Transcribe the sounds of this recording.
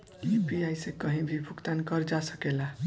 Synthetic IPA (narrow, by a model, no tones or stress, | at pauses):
ipiajsẽkʌɦĩbʱibʱukt̪ankɔɾd͡ʒasəkela